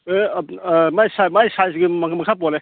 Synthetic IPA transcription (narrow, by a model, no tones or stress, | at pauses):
e | majsajmajsajsiɡimɐmɐkʰapɔle